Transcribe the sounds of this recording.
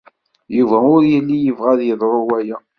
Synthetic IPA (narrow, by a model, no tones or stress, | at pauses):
juvæʊɾjəlːijəvʁæðjəðˤɾˤowæjæ